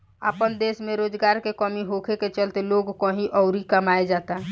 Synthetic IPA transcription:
əpənd̪esmẽɾoːd͡ʒɡaːɾkekəmiɦokʰeket͡ʃəlt̪eloɡkɔ̃ɦĩʔɔʊɾikəmaed͡ʒaːt̪aɦ

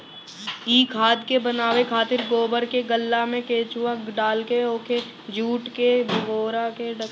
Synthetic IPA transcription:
iːkʰaːd̪kebənaːʋekʰaːt̪ɪɾɡoːbəɾkeɡəlːamẽkeːt͡ʃuəkɖaːlkeoːke | d͡ʒuːʈkebʱɡoːɾakeɖə

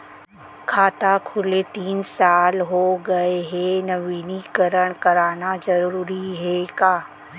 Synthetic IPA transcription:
kʰaːt̪akʰʊlet̪iːnsaːlɦoɡɐeɦenɐʋiːnikəɾəɽ̃kɐɾaːnad͡ʒɐɾuuːɾiɦɛkaː

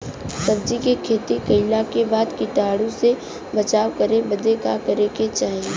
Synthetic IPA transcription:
sɐbd͡ʒikekʰeːt̪ikɐɪlakebaːd̪kɪʈaːɽũse | bɐt͡ʃaːwkɐɾebɐd̪ekakɐɾeket͡ʃaːɦie

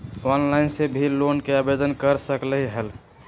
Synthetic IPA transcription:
ɔnlaɪnsebʱilonkeabed̪ənkəɾsəkləɦiɦəl

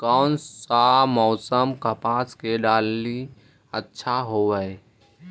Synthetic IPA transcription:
kɔnːamɔːsəmkəpaːskeɖaːlːi | ətːʃʰaɦoʋəe

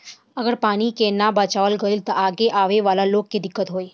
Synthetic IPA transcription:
əɡəɽpaɽ̃ikenabət͡ʃaʋəlɡəilt̪əʔaɡeʔaʋeʋalalokːed̪ɪkːət̪ɦoːj

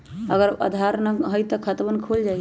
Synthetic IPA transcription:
əɡəɾə̰d̪ʱaɾnəɦəjt̪ɔkʰət̪bənkʰuld͡ʒa

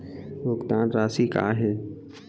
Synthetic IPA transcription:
bʊkt̪ãːnɾaːsiːka̰ːɦẽ

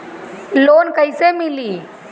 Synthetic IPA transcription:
loːnkəjsemiliː

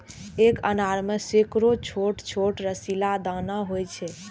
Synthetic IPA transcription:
ekənaɾməsekɾot͡ʃʰoʈt͡ʃʰoʈɾəsilad̪ãnaɦojt͡ʃʰe

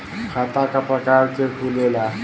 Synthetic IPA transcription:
kʰat̪akapɾəkaɾkekʰulela

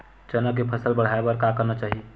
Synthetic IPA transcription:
t͡ʃənəkepʰəsəlbəɽ̤aebəɾkakəɾnat͡ʃaːɦie

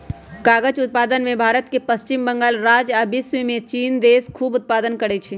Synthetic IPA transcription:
kaːɡəd͡ʒʊt̪̚paːd̪ənmẽbʱaːɾət̪kepəst͡ʃɪmbə̃ŋɡaːlɾaːd͡ʒabiswimẽt͡ʃiːnd̪eːskʰuːbʊt̪̚paːd̪ənkəɾɛt͡ʃʰi

